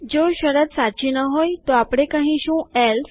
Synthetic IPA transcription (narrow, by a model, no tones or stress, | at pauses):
d͡zoɕəɾət̪sat͡ɕinəɦojt̪oapɽekãɦĩɕũel